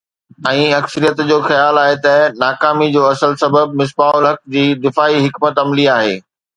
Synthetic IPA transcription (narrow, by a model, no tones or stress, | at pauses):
ɛ̃ːɐksəɾijət̪d͡ʑoːxɐjaːlaːɦet̪ɐnaːkaːmid͡ʑoːɐsəlsɐbəb̚mɪs̬baːʊlɦɐk̚d͡ʑiːd̪ɪfaːiɦɪkmət̪ɐmliaːɦḛː